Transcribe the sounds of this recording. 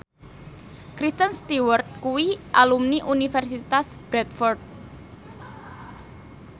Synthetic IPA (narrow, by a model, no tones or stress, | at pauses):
kɾist̪ənst̪iwərt̪̚kuwiʔalumniʔunifɛrsit̪asb̥ɾɛt̪fɔrt̪̚